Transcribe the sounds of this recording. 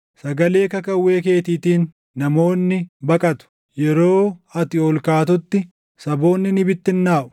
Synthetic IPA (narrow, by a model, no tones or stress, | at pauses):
sɐɡɐle̞ːkɐkɐwːe̞ːke̞ːt̪iːt̪iːnː | ɐmo̞ːnːɪbɐkʼɐt̪ʊ̥ | jɛɾo̞ːɐt̪ɪɔlkaːt̪ʊt̪ːɪ | sɐbo̞ːnːɪnɪbɪt̪ːɪnːaːʔʊ̥